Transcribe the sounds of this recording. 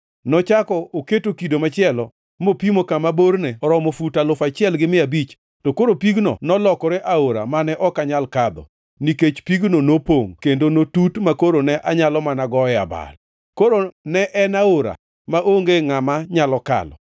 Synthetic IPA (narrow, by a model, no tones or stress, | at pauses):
nɔt͡ʃakɔoketokidomat͡ʃɪɛlɔ | mopimokamaborneɔɾɔmofutalʊfat͡ʃɪɛlɡɪmɪabit͡ʃ | tokoɾopiɡnɔ̰nɔlɔkɔɾeʔaoɾa̰manɛʔɔkaɲalkad̪ɔ̰ | niket͡ʃpiɡnonopoŋkendonotutmakoɾonɛʔaɲalɔmanaɡɔɛa̰ba̰l | koɾonɛʔɛnaoɾa̰ | maʔoŋɡeŋamaɲalɔka̰lɔ̰